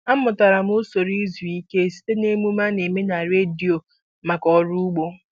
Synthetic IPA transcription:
a˦mʊ˨ta˨ɾa˨m˦o˦so˨ɾi˦zi˨i˦ke˦e˨si̥˦te˦ne˦mu˦ma˦ne˨me˦na˨ɾe˦di˨o˨ | ma˨kɔ˨ɾu˦u˦ɡ͡bo˦

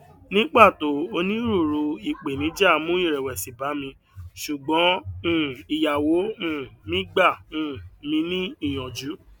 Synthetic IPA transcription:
nĩ˦k͡pa˦˨to˨˦o˧nĩ˦ɾu˦˨ɾu˧i˨k͡pe˨nĩ˨˦d͡ʒa˦˨˧mũ˦ĩ˦˨ɾɛ˨wɛ˨si˨ba˨˦mĩ˧ | ʃu˨ɡ͡bɔ̃˨˦ũ˦˨i˨ja˨wo˨˦ũ˦˨mĩ˦ɡ͡ba˦˨ũ˦˨mĩ˧nĩ˦i˦˨j̃ɔ̃˨d͡ʒu˨˦

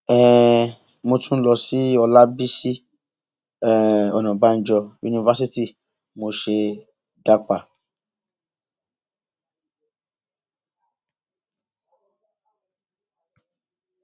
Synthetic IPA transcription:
ɛ˨ | mo˧tũ˦lɔ˧si˦ɔ˧la˦bi˦si˦ | ɛ˨ɔ˨nɔ̃˨ba˦n̩˦˨d͡ʒɔ˧jṵ˨ni˧va˦si˦ti˦ | mo˧ʃe˧ | da˦k͡pa˨

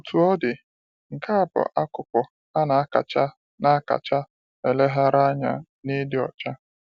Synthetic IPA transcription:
u˨tʰu˨ɔ˦dɪ˨ | ŋ̩˨ka˦a˨bʊ̰˨ʔa˦kʊ˨pʊ˨ | a˦na˨a˦ka̰˨t͡ʃa˦ | na˦a˦ka̰˨t͡ʃa˦ | e˨le˦ɦa˦ɾa˦ɲa̰˨ | nɪ˦dɪ˦ɔ̰˨t͡ʃa˦

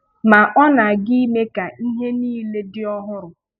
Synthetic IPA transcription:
ma˨ʔɔ˦na˨a˨ɡɪ˦i˦me˦ka˨i˦ɦe˦niː˦le˦dɪ˦ɔ˦ɦʊ˦ɾʊ˨

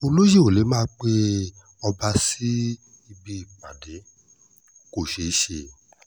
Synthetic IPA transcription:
o˧lo˦je˦˨o˨le˨˦mãː˦k͡pe˦ | ɔ˧ba˧si˦ | i˧bi˦i˦˨k͡pã˨de˨˦ | ko˨ʃe˧˦ʃe˧

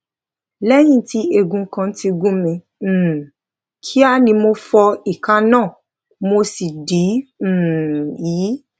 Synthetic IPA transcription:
lɛ˦j̃ĩ˦˨ti˧˦e˦˨ɡũ˧˦kã˧n̩˦ti˧ɡũ˦mĩ˧˨ | kʰi˦a˦nĩ˧mo˧fɔ˧i˨ka˧˦nãː˦˨ | mo˧si˨dĩ˨˦˨ | jiː˨˦

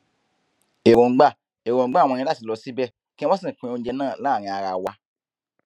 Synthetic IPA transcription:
e˨ɾõ˨ɡ͡ba˦˨ | e˨ɾõ˨ɡ͡ba˦˨w̃ɔ̃˧ĩ˧˦la˦ti˨˦lɔ˧si˨˦bɛ˦˨ | kĩ˦ĩ˦ɔ̃˦sĩ˦˨kũ˧õ˧˦d͡ʒɛ˧˦nãː˦˨lãː˦˨ɾ̃ĩ˧a˧ɾa˧wa˧˦

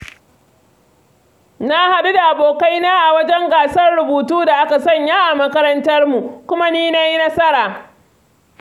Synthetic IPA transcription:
na˦ha˨ɗu˦da˨ʔa˨boː˨ka˦jnaː˦ʔa˨wɐ˦d͡ʒɛ˦ŋɡaː˨sɐ˦rɽʊ˨buː˨tuː˦da˨ʔa˦ka˨sɐ˦˨ɲjaː˦ʔa˨mɐ˦kɐ˦ɾɐ˦ntɐ˦rmu˨kʷʊ˦ma˦niː˦na˦jnɐ˦sɐ˦ɾaː˨

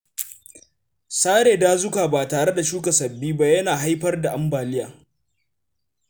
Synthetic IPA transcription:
saː˦ɽeː˨daː˦zʊ˦kaː˨baː˨taː˨ɽe˦da˨ʃuː˦ka˨sɐ˨bːiː˦ba˦jɐ˦naː˨ɦa˦jɸɐ˦rda˨ʔa˦mbaː˨lɪ˦jaː˨

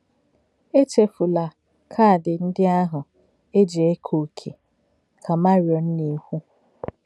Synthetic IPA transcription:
e˦t͡ʃe˨fu˨la˨ | kʰa˦a˨dɪ˨n̩˦dɪ˦a˦ɦʊ˨ | e˦d͡ʒe˨e˦kʰo˨kʰḛ˨ | kʰa˨ma˦ɾjɔ˨n̩˦ni˦hʷu˦

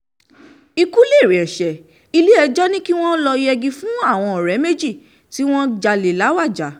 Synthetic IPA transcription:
i˧ku˦le˦˨ɾe˨ɛ˨ʃɛ˨ | i˧le˦ɛ˧d͡ʒɔ˦nĩ˦ki˦w̃ɔ̃˦lɔ˧i˧ɛ˧ɡĩ˧fũ˨˦a˦˨w̃ɔ̃˧ɔ˨ɾɛ˨˦me˦d͡ʒi˦˨ | ti˦w̃ɔ̃˦d͡ʒa˧le˨la˨˦wa˦˨d͡ʒa˨˦

